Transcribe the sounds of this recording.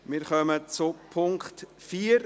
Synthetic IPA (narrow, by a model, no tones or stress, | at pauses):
mɪɾχœmət͡sʊpʰʊŋktfiːəɾ